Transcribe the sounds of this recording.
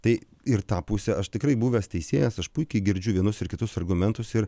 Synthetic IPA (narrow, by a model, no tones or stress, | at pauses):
t̪ɐɪ | ɪɾt̪ɑːpusʲɛʔɐʃt̪ʲɪkɾɐɪbuːʋʲɛːst̪ʲɛɪsʲeːjɛsɐʃpʊɪkʲɛɪɡʲɪɾʲd͡ʒʲʊʋʲiɛnʊsɪɾkʲɪt̪ʊsɐrɡʊmʲɛnt̪ʊsɪɾ